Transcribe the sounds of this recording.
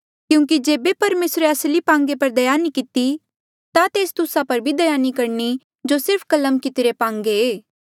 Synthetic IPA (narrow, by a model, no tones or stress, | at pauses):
kjũːk̬id͡ʒeːbepɐɾmeːsɾeɐslipãːŋɡepɐɾd̪ɐjaːnikɪt̪i | t̪at̪eːst̪ʊsapɐɾbʱid̪ɐjaːnikɐɾni | d͡ʒosɪɾpʰkɐləmkɪt̪ɾepãːŋɡeeː